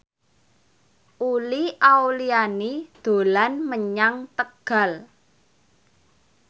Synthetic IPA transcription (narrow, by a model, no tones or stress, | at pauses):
ʔuliʔawlianid̪̥o̤lanməɲaŋt̪əɡ̥a̤l